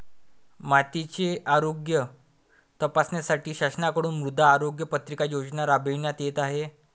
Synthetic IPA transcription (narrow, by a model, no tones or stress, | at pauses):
mat̪it͡ɕeaɾoɡjə | t̪əpasnjasaʈiːɕaɕənakəɽuːnmɾud̪ʱːaːɾoɡjəpət̪ɾikajod͡ʑnaɾabeʋnjat̪jet̪aɦe